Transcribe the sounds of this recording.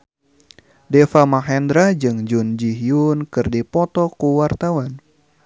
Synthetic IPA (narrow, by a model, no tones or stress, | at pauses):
dɛfamaɦɛndɾad͡ʒɨŋd͡ʒund͡ʒiɦijunkɨrdipɔt̪ɔkuwart̪awan